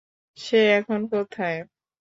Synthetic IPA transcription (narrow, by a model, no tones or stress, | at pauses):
ʃeɛkʰonkot̪ʰae